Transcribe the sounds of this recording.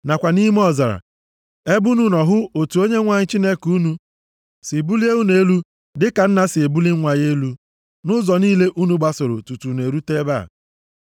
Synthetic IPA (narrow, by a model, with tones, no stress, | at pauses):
na˨kʷa˨ni˦m˦ɔ˦˨za˨ɾa̰˨ | e˦bu˦nu˦nɔ˨ɦʊ˦o˨tu˨˦o˦ɲe˦ŋʷa˨ɲɪ˦t͡ʃi˦ne˦ku˦nu˦ | si˨bu˦li˦e˦u˦ne˦lu˦ | dɪ˦ka˨n̩˦na˦sɪ˨e˨bu˦li˦ŋʷa˨ɲ˦e˦lu˦ | nʊ˦zɔ˨niː˦le˦ʔu˦nu˦ɡ͡ba˨sʊ˨ɾʊ̰˨tu˨tu˨ne˨ɾu˦te˦ba̰˦˨